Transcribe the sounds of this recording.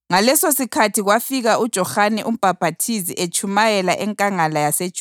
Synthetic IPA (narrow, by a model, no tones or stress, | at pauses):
ŋalɛsosikʰatʰiɣwafiɣaud̥ʒ̥ʱɔhanɛʔum̩b̥ʱab̥ʱatʰiziʔet͡ʃʰʼumajɛlaʔɛŋkʼaŋalajase̥t͡ʃʼu